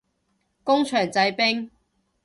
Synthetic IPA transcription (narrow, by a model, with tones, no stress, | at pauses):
kʊ˥ŋt͡ʃʰœː˨˩ŋt͡sɐ˧jpɪ˥ŋ